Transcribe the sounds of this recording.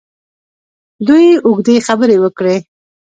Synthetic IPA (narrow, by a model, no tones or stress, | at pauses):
d̪ujʊɡd̪exabəɾewəkɽe